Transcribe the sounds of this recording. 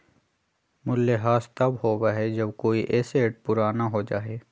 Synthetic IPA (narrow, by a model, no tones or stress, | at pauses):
mʊlːeɦaːst̪ɐbɦoːɡaːɦed͡ʒɐbkoːiʔeːseːʈ̚pʊɾaːnaɦod͡ʒaːeː